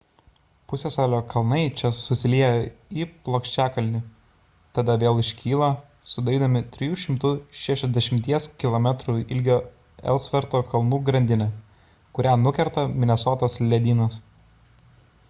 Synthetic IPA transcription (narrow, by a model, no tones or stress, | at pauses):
pʊsʲesoːlʲoːkʰɐlˠnɐɪt͡ʃʲɛsʊsʲɪlʲiɛjɛiːplˠoːkʃʲt͡ʃʲæːkɐlʲnʲɪ | t̪ɐd̪ɐʋʲeːlˠɪʃʲkʲiːlˠɐ | sʊd̪ɐɾʲiːd̪ɐmʲɪt̪ʲɾʲɪjuːʃʲɪmt̪ʊʃʲæʃʲɛzʲd̪ʲɛʃʲɪmʲt̪ʲiɛskʲɪlˠomʲɛt̪ɾuɪlʲɡʲoː | ɛ̰lˠsʲʋʲɛɾt̪oːkɐlˠnuːɡɾɐnʲd̪ʲɪnʲɛ | kʊɾʲæːnʊkʲɛɾt̪ɐmʲɪnʲɛsoːt̪ɐslʲɛd̪ʲiːnɐs